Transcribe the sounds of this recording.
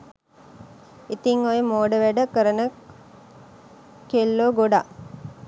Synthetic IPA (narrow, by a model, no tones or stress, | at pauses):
it̪iŋojəmoːɖəʋæɖəkəɾənə | kelːoɡoɖaʔ